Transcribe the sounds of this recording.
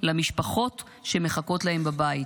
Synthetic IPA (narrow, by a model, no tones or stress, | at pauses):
lamiʃpaχo̞t | ʃeme̞χako̞tlahembabai